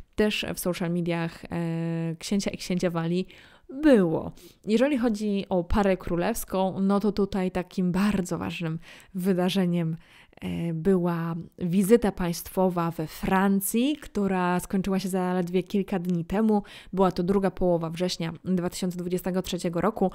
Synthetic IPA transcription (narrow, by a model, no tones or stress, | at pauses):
t̪ɛʂfsɔwʂalmʲid̪ʲjax | kɕeɲt͡ɕaʔikɕeɲt͡ɕavalʲi | bɘwɔ̰jɛʐɛlʲixɔd͡ʑiʔɔpʰaɾɛkɾulɛfskɔ̃w̃nɔt̪ɔt̪ut̪ajt̪akʲʰimbaɾd̪zɔva̰ʐnɘmvɘd̪aʐɛɲɛm | bɘwavʲizɘt̪apaj̃st̪fɔvavɛfɾant̪sʲjikt̪uɾaskɔɲt͡ʂɘwaɕɛzalɛd̪vʲjɛkʲilkad̪ɲit̪ɛmubɘwat̪ɔd̪ɾuɡapʰɔwɔvavʐɛɕɲad̪vat̪ɘ̥ɕɔnsɛd̪vud͡ʑɛst̪ɛɡɔtʂɛt͡ɕɛɡɔɾʔɔku